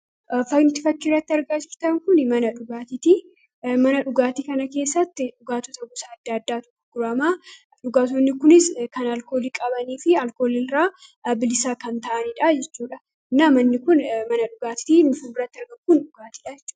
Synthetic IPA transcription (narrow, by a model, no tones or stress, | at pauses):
fɐɡnɪt̪ɪfɐkːɪrːɐt̪ːɪɐɾɡaːd͡ʒɪɾt̪ɐŋkʊnmɐnɐᶑʊɡaːt̪ɪt̪i | mɐnɐᶑʊɡaːt̪iːkɐnɐke̞ːsːɐt̪ːɪᶑʊɡaːt̪ɔt̪ɐɡʊsɐːd̪ːɐd̪ːaːt̪ʊ̥kːʊɡʊɾɐmaː | ᶑʊɡaːt̪̬onːɪkʊnɪskɐnɐlko̞ːlikʼɐbɐniːfɪɐlkoːlɪlɾaː | bɪlɪsaːkɐnt̪ɐʔɐniːᶑɐd͡ʒɛt͡ʃːuːᶑɐ | ɪnːaːmɐnːɪkʊnmɐnɐᶑʊɡaːt̪ɪ̥t̪iːnʊfuːmɪrːɐt̪ːɪɐɾɡɐŋkʊnᶑʊɡaːt̪i̥ːᶑad͡ʒɛt͡ʃː